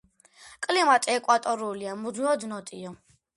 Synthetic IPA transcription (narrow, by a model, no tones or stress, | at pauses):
kʼlimat̪ʼiɛkʼwat̪ʼɔɾuːliamuzmiɔd̪nɔt̪ʼḭɔ